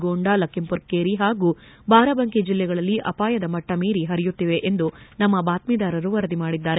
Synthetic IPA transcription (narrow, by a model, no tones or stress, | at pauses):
ɡoːɳɖalɐkimpuɾkkeːɾiɦaːɡuː | baːɾɐbɐŋkid͡ʒilːɛɡɐɭɐlːiʔɐpaːjɐd̪ɐmɐʈːɐmiːɾiɦɐɾijut̪ːiʋe̞ʔend̪unɐmːɐbaːt̪mid̪aːɾɐɾuʋɐɾɐd̪imaːɽid̪ːaːɾe